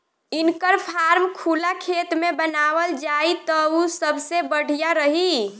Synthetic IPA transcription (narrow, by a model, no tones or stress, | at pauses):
inkəɾpʰaɾmkʰulakʰet̪mebənaʋəld͡ʒait̪ɔusəbʱsebəɽ̤ijaɾəɦi